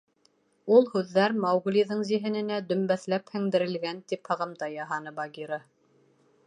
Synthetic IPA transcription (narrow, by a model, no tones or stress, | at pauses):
ulˠhʉðːæɾmɑwɡlʲiðɤɴziɦɘ̆nɘ̆næd̪ɵ̆mbæθlæphɘ̆ŋd̪ɘ̆ɾɘ̆lɡænt̪iphɤ̆ʁɤ̆md̪ɑjɑɦɑnɤbɑɡiɾɑ